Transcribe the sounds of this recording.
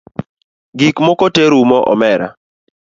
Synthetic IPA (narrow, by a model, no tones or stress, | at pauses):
ɡikmɔkɔteɾumɔʔɔ̰mɛɾa̰